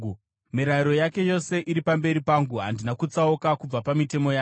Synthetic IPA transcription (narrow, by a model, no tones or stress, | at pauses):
miɾaiɾo̞jake̞jo̞se̞ʔiɾipambe̞ɾipaːŋɡuɦandinakut͡saokakub͡vapamite̞mo̞jaː